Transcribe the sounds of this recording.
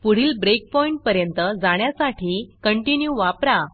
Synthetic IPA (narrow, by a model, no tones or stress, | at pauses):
puɽ̤iːlbɾek̚pɔiɳʈ̚pəɾjənt̪əd͡zaɽ̃jasaʈʰiːkəɳʈinjuʋapɾa